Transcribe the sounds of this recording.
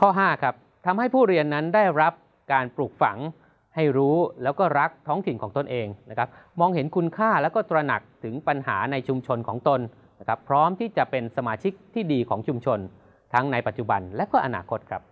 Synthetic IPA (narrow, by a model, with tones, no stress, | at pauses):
kʰɔː˥˩ɦaː˥˩kʰa˦˥p̚ | t̪ʰa˧mha˥˩jpʰuː˥˩ɾi˧ənːa˦˥ndaː˥˩jɾa˦˥p̚ | kaː˧npɾuː˨˩k̚fa˩˦ŋ | ha˥˩jɾuː˦˥lɛː˦˥wkɔː˥˩ɾa˦˥k̚t̪ʰɔː˦˥ŋt̪ʰi˨˩nkʰɔː˩˦ŋt̪o˧nʔeː˧ŋna˦˥kʰa˦˥p̚mɔː˧ŋhe˩˦nkʰu˧nkʰaː˥˩lɛː˦˥wkɔː˥˩t̪ɾa˧na˨˩k̚t̪ʰɯ˩˦ŋpa˧nha̰ː˩˦na˧jt͡ɕʰu˧mt͡ɕʰo˧nkʰɔː˩˦ŋt̪o˧n | na˦˥kʰa˦˥pʰɾɔː˦˥mt̪ʰiː˥˩t͡ɕa˨˩pe˧nsa˧maː˧t͡ɕʰi˦˥k̚t̪ʰiː˥˩diː˧kʰɔː˩˦ŋt͡ɕʰu˧mt͡ɕʰo˧n | t̪ʰa˦˥ŋna˧jpa˨˩t̪̚t͡ɕu˨˩ba˧nlɛ˦˥wkɔː˥˩ʔa˧na̰ː˧kʰo˦˥t̪̚kʰɾa˦˥p̚